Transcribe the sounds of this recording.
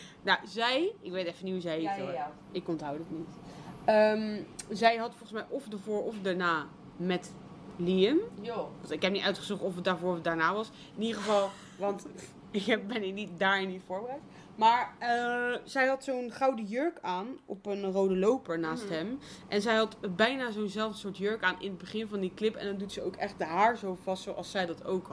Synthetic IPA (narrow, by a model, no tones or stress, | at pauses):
nawzɛjɪkʋejtɛfənitɦuzɛjɦet | ɪkɔntɦʌwdəətnitəmzɛjɦɑtfɔlˠχənsmɛjʔɔfdəɹvoːɹɔfdaɹnaː | mɛt | liəm | ɪkɦɛp̚nitʔœɥtχəzuktɔfət̚daːɹvʊːɹət̚daːɹnaːʋɑs | ɪnidəχəvɑlˠ | ʋɑnt | ɪkɛbɛnɪknit̚daːɹɪniv̥ʊːɹbərɛjt | maːɹəzɛjɦɑtsownχɑwdəjøɹkaːnɔpənrowdəlowpəɹnaːstɦɛmʔɛnzɛjɦɑtbɛjnaːzonzɛlˠvdəsʊːɹtjøɹkaːnʔɪ̰nəd̚bəχɪnvɑndiklɪpɛ̰ndɑndutsəowkɛχt̚dəɦaːɹzowvɑstsowʔɑlˠsɛjdɑtowk